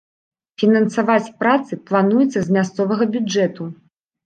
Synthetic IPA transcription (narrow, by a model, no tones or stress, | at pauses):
fʲinɐnsavat͡sʲpɾat̪sɨplˠanujɛt̪sːɐzʲmʲast̪sɔvɐɣɐbʲud͡ʐɛt̪u